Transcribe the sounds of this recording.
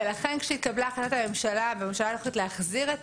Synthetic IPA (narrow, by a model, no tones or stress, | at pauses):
laχe̞nkʃeit̪̚kablaːχanat̪ame̞mʃalabememʃalaloxlit̪leaχziʁet